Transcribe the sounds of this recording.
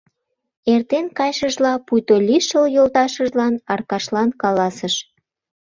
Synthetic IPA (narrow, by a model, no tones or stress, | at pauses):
ert̪enkɑjʃəʒlɑpujt̪olʲiʃəljolt̪ɑʃəʒlɑnɑrkɑʃlɑnkɑlɑsəʃ